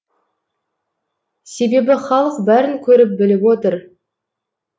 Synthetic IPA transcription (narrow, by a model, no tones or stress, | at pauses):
se̞be̞bɪχɑlˠəq̚bæɾɪŋkʲʰɵɾɪp̚bɪlɪpwot̪əɾ